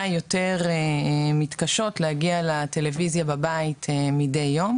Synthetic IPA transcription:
jo̞te̞ʁemitkaʃo̞tlehaɡialate̞levizjababaitʰmide̞jːo̞m

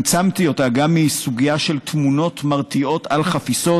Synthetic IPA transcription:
t͡samt̪io̞taɡamːisuɡijaʃe̞lt̪muno̞t̪maʁt̪io̞t̪alχafiso

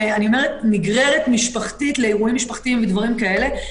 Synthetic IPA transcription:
anio̞meʁet̪miɡʁe̞ʁet̪miʃpaχtitle̞eʁuimːiʃpaχt̪iimved̪vaʁimkae̞le̞

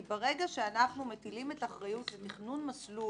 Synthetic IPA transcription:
beʁe̞ɡaʃeanaχnume̞tilimetaχʁajutzet̪iχnunmaslu

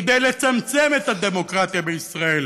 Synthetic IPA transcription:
d̪ejlet͡samt͡se̞met̪had̪e̞mo̞kʁat̪jabeisʁae̞l

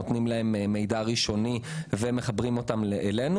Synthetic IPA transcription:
ot̪nimlae̞mmːe̞jdaʁiʃo̞niveme̞χabʁimo̞tamleʔːlenu

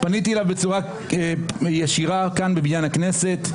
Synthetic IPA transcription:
panitielavbet͡suʁa | jeʃiʁakanbebiɲanaknese̞t̪

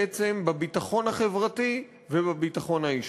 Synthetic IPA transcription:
et͡se̞mbabitaχo̞nhaχe̞vʁati | vebabitaχo̞nhaiʃ

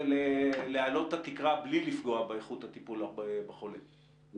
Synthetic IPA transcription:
lelealo̞t̪ːat̪ikʁablilifɡo̞abeeχut̪at̪ipulabebeχo̞le

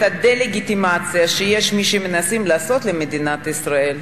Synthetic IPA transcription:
tad̪eleɡit̪imat͡sijaʃejeʃmiʃeme̞nasimlaːso̞t̪lemed̪inat̪isʁae̞l

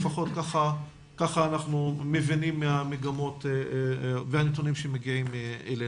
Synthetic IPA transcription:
faχo̞t̚kaχa | kaχaːnaχnumevinimːeameɡamo̞tevehanet̪̬onimʃemeɡiimeele

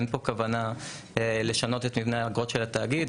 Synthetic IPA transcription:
npo̞kavana | ele̞ʃano̞t̪et̪mivneaɡʁo̞t̪ʃe̞lat̪aːɡid

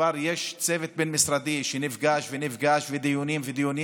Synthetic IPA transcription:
aɾjeʃt͡sevet̪̚benmisɾad̪iʃenifɡaʃvenivɡaʃved̪ijunimved̪ijuni

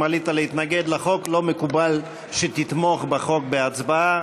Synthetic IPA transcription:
alit̪alehit̪naɡed̪laχo̞klo̞mekubal | ʃet̪it̪mo̞χbeχo̞k̚beat͡sbaa

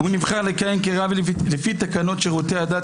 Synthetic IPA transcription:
hunivχaʁlekajemkeʁavlefit̪akano̞tʃeʁotead̪a

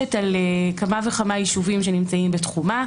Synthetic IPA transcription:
etalekamaveχamajiʃuvimʃe̞nimt͡saimbetχuma

